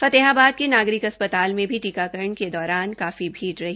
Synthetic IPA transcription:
fɐt̪eɦaːbaːd̪̚kenaːɡɾɪkɦɐspət̪aːlmẽbʱiʈiːkakɐɾəɳked̪ɔːɾaːnkaːfibʱiːʈɾɐɦiː

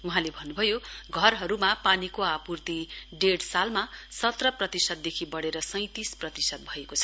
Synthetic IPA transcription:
uɦãlebʱʌnːubʱʌjoɡʱʌrɦʌɾumapanikoapurt̪iɖeɽsalmasʌt̪rʌprʌt̪isʌd̪̚d̪ekʰibʌɽeɾʌsʌj̃t̪isprʌt̪isʌd̪̚bʱʌekot͡sʰʌ̥

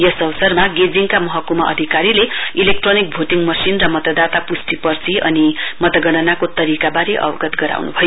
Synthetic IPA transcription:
jʌsʌbsʌrmaɡed͡ziŋkamʌɦʌkumʌʔʌ̰d̪ʱikaɾileilek̚ʈronik̚bʱoʈiŋmʌsinrʌmʌt̪ʌd̪at̪apusʈ̪ipʌrt͡sʰiʔʌ̰nimʌt̪ʌɡʌɽ̃ʌnakot̪ʌɾikabaɾeʔʌ̰bʌɡʌt̪ɡʌɾa̰wnubʱʌjo

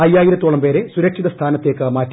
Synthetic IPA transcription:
ɐjːaːjiɾɐt̪ːoːɭɐmpe̞ːɾesuɾɐkʂiðɐst̪ʰaːnɐt̪ːeːkːɨmaːtː

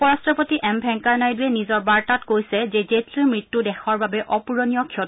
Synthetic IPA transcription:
pɔɹastɔpotiʔɛmbʱɛŋkaɹnajduɛnizɔɹbaɹtatkojsɛzezetʰlimɹitːudɛxʰɔɹbabɛʔɔpuɹonijɔkʰiɔt

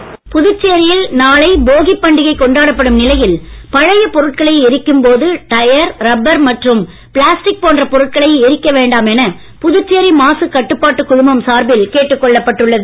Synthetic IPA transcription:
pʊðɯt͡ʃːeːɾɪjɪlnaːɭɐɪboːɣɪpːɐɳɖɪɣɐɪkːɔɳɖaːɽɐpːɐɽɯmnɪlɐjɪlpɐɻɐjɐpɔɾɯʈ̚kɐɭɐɪɪɾɪkːɯmpoːðɯʈɐjɐɾɾɐbːɐɾmɐʈrɯm | pɭaːsʈɪk̚poːndrɐpɔɾɯʈ̚kɐɭɐɪɪɾɪkːɐʋeːɳɖaːmɛnɐ | pʊðɯt͡ʃːeːɾimaːsɯkɐʈːɯpːaːʈːɯkʊɻʊmɐmsaːɾbɪlkeːʈːɯkːɔɭːɐpːɐʈːɯɭːɐðɯ

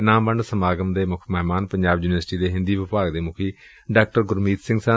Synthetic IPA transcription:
nãːmbəɳɖsəmaːɡəmd̪eːmʊkʰmɛːmaːnpəɲd͡ʒaːbjuːnʋəɾsʈiːd̪eːɦɪ̃nd̪iːʋɪpaːɡd̪eːmʊkʰiː | ɖaːk̚ʈəɾɡʊɾmiːt̪sɪ̃ŋɡsə̃

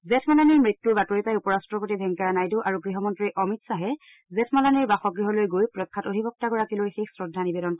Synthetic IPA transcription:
zɛtʰmalaniɹmɹitːuɹbatɔɹipajupɔɹastɹɔpotibʱɛŋkaɹanajduʔaɹuɡɹiɦɔmɔntɹiʔɔmitsaɦɛ | zɛtʰmalaniɹbaxɔɡɹiɦɔlojɡojpɹɔkʰːatodʱibɔk̚taɡɔɹakilojxexsɹɔdʱːanibɛdɔn

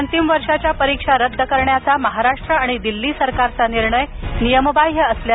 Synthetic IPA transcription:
ənt̪imʋəɾʂat͡ɕjapəɾikʂaɾəd̪ʱːəkəɾɳjat͡saməɦaɾaʂʈɾəaɽ̃id̪ilːiːsəɾkaɾt͡saniɾɳəjnijəmobajɦeəslja

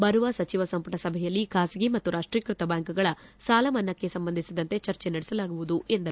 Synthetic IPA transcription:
bɐɾuʋɐsɐt͡ʃiʋɐsɐmpɐʈɐsɐbʱɛjɐlːikaːsiɡimɐt̪ːuɾʔaːʂʈɾiːkɾut̪ɐbaːŋkuɡɐɭɐsaːlɐmɐnːɐkːe̞sɐmbɐnd̪isid̪ɐnt̪e̞t͡ʃɐɾt͡ʃenɐɽesɐlaːɡuʋud̪ue̞nd̪ɐɾ

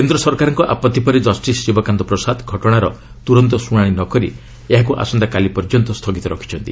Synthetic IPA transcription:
kend̪ɾɔsɔɾkaɾɔŋkɔʔapɔt̪ːipɔɾid͡ʒɔsʈisːibɔkand̪ɔpɾɔsad̪ɡʱɔʈɔɽ̃aɾɔ | t̪uɾɔnt̪ɔsuɽ̃aɽ̃inɔkɔɾḭ | eɦakuʔa̰sɔnd̪akalipɔɾd͡ʒɔnt̪ɔst̪ʰɔɡit̪ɔɾɔkʰi̥t͡ʃʰɔnt̪i

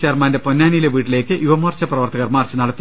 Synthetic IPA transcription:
t͡ɕeːrmaːnde̞ponːaːnijleʋiːʈːileːkːɨjuʋɐmɐrt͡ɕːɐprɐʋɐrt̪ʰɐɣɐrmaːrt͡ɕːɐnɐɽɐt̪ːi

